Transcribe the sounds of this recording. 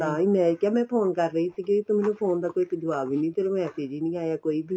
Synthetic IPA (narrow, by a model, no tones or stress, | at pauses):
aːimɛ̃ːkjaːmɛ̃ːpʰoːnkəɾːəiːsiɡeit̪omeːnũpʰoːnd̪aːkoːikːd͡ʒ̪ʊʋaːʋiːnĩːt̪eɾõmɛ̃ːseːd͡ʒiːnĩːaːjaːkoːiːbi